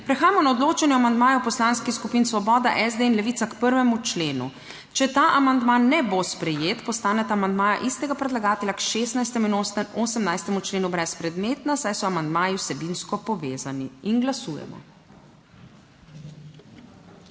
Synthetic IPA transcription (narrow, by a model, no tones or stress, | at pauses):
pɾɛxaːjamɔnaɔd̪loːt͡ʃɛnjɛamand̪maːjɛwpɔslanskixskupiːnsʋɔbɔːd̪a̰ʔɛzd̪einlɛʋiːt̪sakpəɾʋɛmut͡ʃleːnṵ | t͡ʃɛt̪aːʔamand̪manːɛbospɾɛjeːt̪pɔst̪aːnɛt̪aːmand̪maːja̰ʔist̪ɛɡapɾɛd̪laɡaːt̪ɛlʲjakʃest̪najst̪ɛminoːst̪ɛmoːsəmnajst̪ɛmut͡ʃleːnubɾɛspɾɛd̪meːt̪nasajsɔamand̪maːjiwsɛbinskɔpɔʋeːzaniinɡlasuːjɛ̰mɔ̰